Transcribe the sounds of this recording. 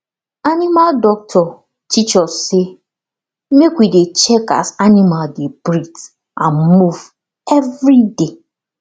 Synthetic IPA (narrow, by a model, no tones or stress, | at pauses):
animaldɔk̚tʰɔ | tʰit͡ʃɔsse | mekwidet͡ʃɛka̰sanimaldebɾit | ʔãnmuv̥ | ɛvɾide